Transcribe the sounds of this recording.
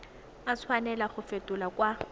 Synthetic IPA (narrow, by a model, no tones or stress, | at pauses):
at͡sʰwanɛlaχʊfetʼʊlakʼwa